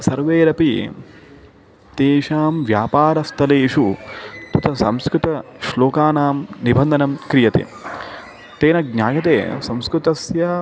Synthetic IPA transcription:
sɐɾʋeːɾɐpi | t̪eːʃaːmʋjaːpaːɾɐst̪ʰɐleːʃut̪ut̪ɐsɐmskɾut̪ɐʃloːkaːnaːmnibʱɐnd̪ʱɐnɐmkɾijɐt̪ḛ | t̪eːnɐɡɲaːɡɐt̪ḛːsɐ̃mskɾut̪ɐsjɐ

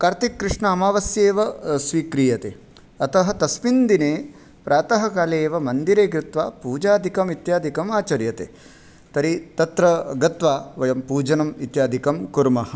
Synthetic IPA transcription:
kaːɾt̪ikːɾɪʂɳɐːmaːʋɐsjeːʋɐsʋiːkɾijɐt̪eː | ɐt̪ɐɦɐ̆t̪ɐspind̪ineː | pɾaːt̪ɐɦɐkaːleːʋɐmɐnd̪iɾeːkɾɪt̪ʋaːpuːd͡ʒaːd̪ʱikɐmit̪jaːd̪ʱikɐmaːt͡ʃɐɾjɐt̪ḛː | t̪ɐɾit̪ɐt̪ɾɐɡɐt̪ʋaːʋɐjɐmpuːd͡ʒɐnɐmit̪jaːd̪ʱikɐmkuɾmɐɦɐ̆

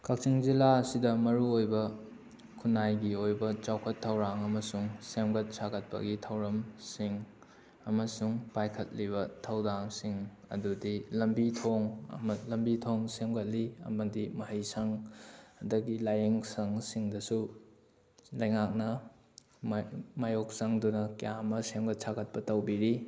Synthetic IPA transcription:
kʰak̚t͡ʃiŋzilaɐsidɐmɐɾuojbɐ | kʰunajɡiojbɐt͡ʃawkʰɐtʰːɐwɾaŋɐmɐsuŋsemɡɐt̚saɡɐt̚pɐ̰ɡitʰɐwɾɐmsiŋ | ɐmɐsuŋpajkʰɐt̚liβɐtʰɐwdaŋsiŋ | ɐ̰dudilɐmbitʰoŋ̰mɐlɐmbitʰoŋsemɡɐt̚liɐ̰mɐdimɐɦɐjsɐŋ | dɐɡilajiŋsɐŋsiŋdɐsu | lɐjŋak̚nɐ | mmajok̚sɐŋdunɐkijamɐsemɡɐt̚sʰaɡɐt̚pɐtɐwbiɾi

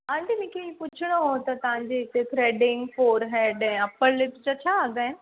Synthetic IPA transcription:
ãːɳʈimʊ̃ːkʰẽĩːpʊt͡ɕʰɪɽ̃oɦot̪ɐt̪ɐʋ̤ãɲd͡ʑeɦɪt̪ek̪ʰɾɛːɖɪ̃ŋɡfoːɾɦɛːɖɛ̃ːɐpəllɪpt͡ɕat͡ɕʰaːɐɡaːɪ̃n

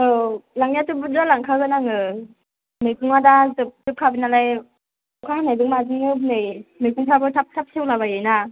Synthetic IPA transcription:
ɯlaŋiatɯbudalaŋkʰaɡɯnaŋɯ | mɯjkʰuŋadazɯp̚zɯp̚kʰabinalaj | kʰahanajdɯŋmadɯŋɯnɯjmɯjkʰuŋpʰabɯtʰap̚tʰap̚sʰewlabajɯjna

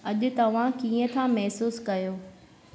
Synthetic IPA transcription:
ɐʄʊ̆t̪ɐʋ̤ãkiːə̃t̪ʰãmɛɦsuːskɐjoː

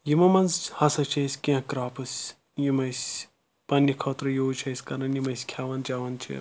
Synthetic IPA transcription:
jimɐmɐnzhɐsɐt͡ʃʰɐsʲkʲĩkɾaːpɨsʲ | jimɐsʲ | pɐnːikʰoːt̪ɾɐjoːt͡ʃʰɐsʲkɐɾɐnjimɐsʲkʰʲaːʋɐnd͡ʒaːʋɐnt͡ʃʰḭ

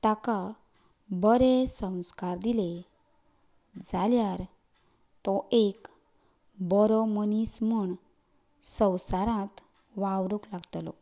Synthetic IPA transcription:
t̪aka | bəɾesə̃w̃skaɾd̪ile | d͡zaljaɾ | t̪ɔek | bɔɾɔmənismuɳ | sə̃wsaɾãt̪ | ʋaʋɾuklaɡt̪lɔ̰

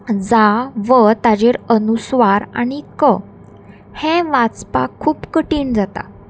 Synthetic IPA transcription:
d͡zaʋət̪ad͡ʑeɾənusʋaɾa̰ɽ̃ikə | hɛ̃ʋat͡spa̰kʰːuːpkəʈiːnd͡zat̪a̰

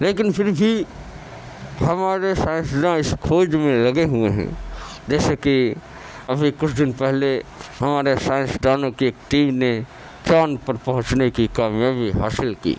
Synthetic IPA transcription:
leːkɪnpʰɪɾbʱi | hɐmaːɾesaːɪ̃nsɖãɪskʰoːd͡ʒmẽlɐɡeɦʊeɦɛ̰̃d͡ʒɛːseki | ɐbʱikʊt͡ʃʰd̪ɪnpɛɦleɦɐmaːɾesaːɪ̃nsɖaːnõkieːkʈiːmne | t͡ʃaːnpəɾpəɦʊ̃t͡ʃnekikaːmjabʱiɦaːsɪlkḭː

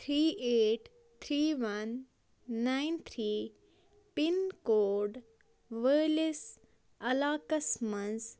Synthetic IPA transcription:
t̪ʰɾiːeːʈ | t̪ʰɾiːʋɐnː | ãɪnt̪ʰɾiː | pinkoːɖ | ʋəɾlis | ɐlaːkɐsmɐ̃ns

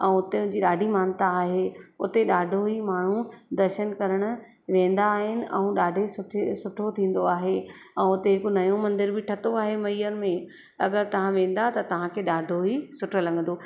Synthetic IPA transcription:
ɛ̃ːʊt̪eʊ̃d͡ʑiːɗaːɖʱimaːnt̪aːɦeʊ̰t̪eɗaːɖʱoɦimaːɳ̤ud̪ɐɾʃənkɐɾəɽ̃ʊ̆ | ʋẽːn̆d̪aːɦɪnɪ̆ʔɛ̃ũɗaːɖʱesʊʈʰsʊʈʰot̪ʰĩːn̆d̪oaːɦe | ɛ̃ːʊt̪eɦɪkonɐjõmɐ̃nd̪ɪɾbɪʈʰɐt̪oaːɦemɐiːəɾmẽ | ɐɡəɾt̪ɐʋ̤ãʋẽːn̆d̪at̪ɐt̪ɐʋ̤ãkʰeːɗaːɖʱoɦisʊʈʰolɐ̃ŋɡənd̪oː

